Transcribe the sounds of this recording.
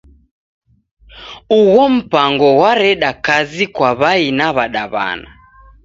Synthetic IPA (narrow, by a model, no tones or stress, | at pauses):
uɣɔm̩paŋɡɔwaɾɛɗakazikwaβainaβaɗaβa̰na̰